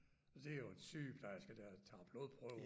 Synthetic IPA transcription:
ɒd̥e̝æjoensy̰ːb̥d̥æjasɡ̥æd̥æt͡sʰɑ̰̈ːb̥lo̝ːðˠpʰʁœʊ

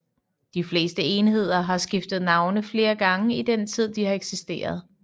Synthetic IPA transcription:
d̥ifle̝̰ːsd̥əe̝nɦe̝ð̰ˠɐɦɑ̈sɡ̥ifd̥ð̩ˠnɑ̈ʊnəfle̝ːɐɡ̥ɑ̈ŋəid̥ent͡sʰið̞̰ˠd̥ihɑ̈eɡ̥sisd̥e̝̰ːɐð̞ˠ

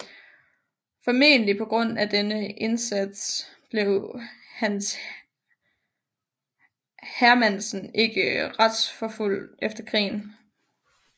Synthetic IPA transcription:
fɒme̝̰ːnəlipʰɒ̽ɡ̥ʁɔ̽n̰æd̥enəʔe̝nsæd̥sb̥le̝ʊhæns | hæɐmæn̰sn̩e̝ɡ̥əʁɑd̥sfɒ̽ful̰efd̥ɐkʰʁḭːn

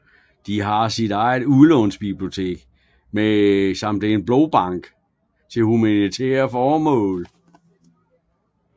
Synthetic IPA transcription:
d̥iɦɑ̈sid̥ɑ̈ɪð̩ˠulɔ̽nsb̥ib̥lio̝t͡sʰe̝̰ːɡ̥ | mesɑm̰d̥eenb̥lɔb̥ɑ̈ŋ̰ɡ̥ | t͡sʰe̝lhumænit͡sʰɛ̰ːɐfɒːmɔ̰̽ːl

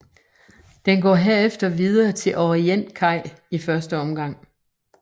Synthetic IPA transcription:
d̥enɡ̥ɒ̰ːɦeɐefd̥ɐʋiðˠɐːt͡sʰe̝lʔɒʁien̰kʰɑ̈ɪ̰ifɶɐsd̥əɒ̽mɡ̥ɑ̈ŋ̰

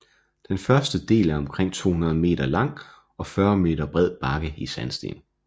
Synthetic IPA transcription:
d̥enfɶɐsd̥əd̥e̝̰ːlæɐɒ̽mkʰʁeŋ̰t͡sʰo̝̰ːhunɐð̞̩ˠme̝̰ːd̥ɐlɑ̈ŋ̰ | ɒ̽fɶːɐme̝̰ːd̥ɐb̥ʁɛð̞̰ˠb̥ɑ̈ɡ̥əisænsd̥e̝̰ːn

